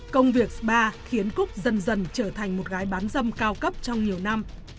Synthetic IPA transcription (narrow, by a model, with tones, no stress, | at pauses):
kə˧wŋ͡mvi˨˩ək̚ɓaː˧xi˨˦ənkʊ˦˥k̚zə˧˩nzə˨˩nt͡ɕəː˧˩t̪ʰa˨˩jŋ̟mo˨˩t̚ɣaː˨˦jɓaː˨˦nzə˧mkaː˧wkə˦˥p̚t͡ɕɔ˧wŋ͡mɲi˨˩əwna˧m